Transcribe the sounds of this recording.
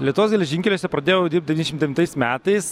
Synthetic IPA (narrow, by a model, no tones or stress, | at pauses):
lʲiɛt̪ʊʋoːsɡʲɛlʲɛʒʲɪŋʲkʲɛlʲoːsʲɛpɾɐd̪ʲeːjod̪ʲiːɾp̚d̪ʲɛʋʲinʲɛʃʲɪmt̪d̪ʲɛʋʲnt̪ɐɪsmʲæːt̪ɐɪs